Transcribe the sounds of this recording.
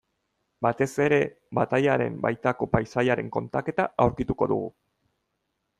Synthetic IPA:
bat̪e̞se̞ɾe̞ | bat̪ajaɾe̞̰mba̰jt̪ako̞pajsajaɾe̞ŋko̞nt̪ake̞t̪aawɾkit̪uko̞ðṵɣu

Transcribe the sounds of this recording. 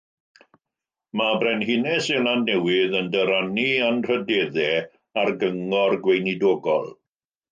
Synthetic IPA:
mabrɛnɦɪnɛselanːɛwɪðəndəɾanianr̥ədɛːðɛ | arɡəŋɔrɡwejnidoːɡɔlˠ

